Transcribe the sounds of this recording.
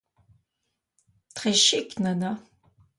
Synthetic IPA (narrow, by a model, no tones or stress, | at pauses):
t̪χeːʃɪknɐnɐ